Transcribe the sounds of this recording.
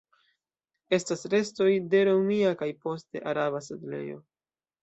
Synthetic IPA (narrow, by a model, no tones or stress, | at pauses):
e̞stasɾe̞sto̞jde̞ɾowmiakajpo̞ste̞̰ʔaɾaβasedle̞̰jo̞̰